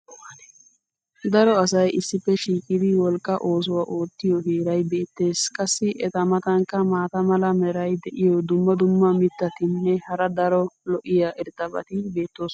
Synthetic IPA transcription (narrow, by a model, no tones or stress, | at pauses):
d̪ɐɾɔɐsɐjʔɪsːɪpːɛʃiːkʼɪd̪ɪwɔlkʼːɐʔo̞ːs̬ʊwaʔo̞ːt̪ːɪjɔɡeːɾɐjbe̞ːt̪ːe̞ːskʼɐsːɪʔɛt̪ɐmɐt̪ɐŋkːɐmaːt̪ɐmɐlɐmɛɾɐjd̪ɛʔɪjɔd̪ʊmːɐd̪ʊmːɐmɪt̪ːɐt̪ɪnːɛhɐɾɐd̪ɐɾɔlɔʔɪjaːʔɪɾt̪ʼɐbɐ̰t̪ɪbe̞ːt̪ːoːs